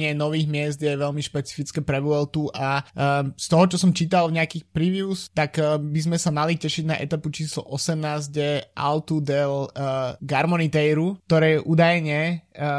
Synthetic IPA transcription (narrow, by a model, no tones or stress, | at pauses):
ɪɛnɔʋiːɣmɪɛzd̪jɛʋɛʎmiʃpɛt͡si̥fit͡skɛpɾɛʋuɛlt̪uʔa | st̪ɔɦɔt͡ʃɔsɔmt͡ʃiːt̪alvɲɛakiːxpɾiʋiuust̪aɡbizmɛsamalicɛʃiɟna̰ʔɛ̰t̪aput͡ʃiːslɔ̰ʔɔsɛmnaːzɟjɛʔa̰lt̪ud̪ɛlɡaɾmɔnit̪ɛjɾukt̪ɔɾɛɛʔuːd̪ajɲɛ